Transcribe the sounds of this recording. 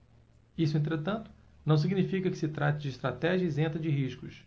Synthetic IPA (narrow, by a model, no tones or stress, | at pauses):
isʊẽnt̪ɾet̪ɐ̃nt̪ʊ̥ | nɐ̃w̃s̬iɡnifikɐkɪ̥sɪt̪ɾat̪ɪd͡ʒɪːʃt̪ɾat̪ɛʒiɐizẽnt̪ɐd͡ʒɪɦiʃkʊs